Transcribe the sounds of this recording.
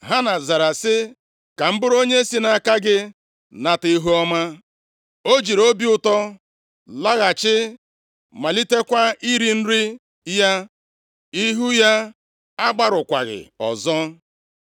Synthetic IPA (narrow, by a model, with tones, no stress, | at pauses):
ɦa˦na˨za˨ɾa˨sɪ˦ | ka˨m̩˦bʊ˦ɾo˦ɲe˦si˦na˨ka˦ɡɪ˦ | na˨ti˦ɦu˦ɔ˦ma˦ | o˦d͡ʒi˨ɾo˦bi˦ʊ˦tɔ˦ | la˦ɣa˨t͡ʃɪ˦ | ma˨li˦te˦kʷa˦i˦ɾi˦n̩˦ɾi˦ | ja˦ | i˦ɦu˦ja˦ | a˦ɡ͡ba˦ɾʊ˨kʷa̰˨ɣɪ̰˨ɔ̰˨zɔ˦